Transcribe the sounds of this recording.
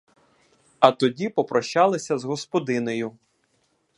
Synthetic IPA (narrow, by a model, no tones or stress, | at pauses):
ɐt̪ɔdʲipɔpɾɔʃt͡ʃɑlˠɪsʲɐzɦɔspɔd̪ɪnejʊ